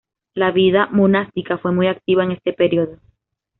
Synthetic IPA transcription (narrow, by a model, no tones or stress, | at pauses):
laβiðamonast̪ikafwe̞mujak̚t̪iβaeŋe̞st̪e̞peɾio̞ðo